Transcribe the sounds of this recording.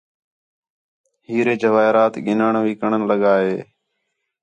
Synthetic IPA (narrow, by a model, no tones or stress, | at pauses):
hiːɾeːd͡ʒəʋaːɪɾaːt̪ɠɪnaːɳʋiːkəɳənləɠaːɦeː